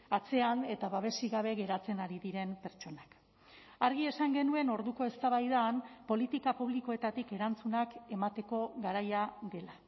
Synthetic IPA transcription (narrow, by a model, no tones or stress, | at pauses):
at͡se̞ane̞t̪aβaβe̞siɣaβ̞e̞ɣe̞ɾat͡se̞naɾiðiɾe̞mpe̞ɾt͡ʃo̞nak | aɾɣ̞ie̞saŋɡe̞nue̞no̞ɾðuko̞e̞st̪aβajðaːnpo̞lit̪ikapuβ̞liko̞e̞t̪at̪ike̞ɾant͡sunake̞mat̪e̞ko̞ɣaɾajaɣe̞la